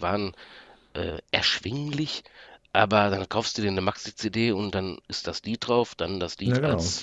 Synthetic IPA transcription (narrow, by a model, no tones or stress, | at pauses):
vaːʁən | ʔɛ̰ːʔɛɐʃv̥ɪŋlɪçʔaːbɐdankʰaʊfstd̥uːdiːɐnəmaksit͡sedeːʊntd̥anɪst̚d̥asliːt̚d̥ʁaʊfd̥andasliːtals